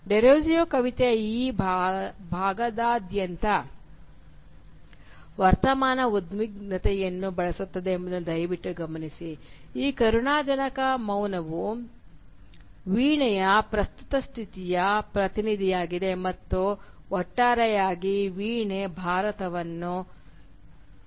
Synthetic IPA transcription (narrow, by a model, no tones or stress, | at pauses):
ɖeɾoːd͡ʒijoːkɐʋit̪eiːbbʱaːɡɐd̪aːd̪jɐnt̪ɐ | ʋɐɾt̪ɐmaːnɐud̪miɡnɐt̪ɛjɐnːubɐɭɐsut̪ːɐd̪eːmbɐd̪nud̪ɐjʋiʈːuɡɐmɐnisiiːkɐɾuɳaːd͡ʒɐnɐkɐmɐwnɐʋu | ʋiːɳɛjɐpɾɐst̪u̥t̪ɐst̪ʰit̪ijɐpɾɐt̪inid̪ʱijaːɡid̪e̞mɐt̪ːu | ɔʈːaːɾɛjaːɡiʋiːɳebʱaːɾɐt̪ɐʋɐnːu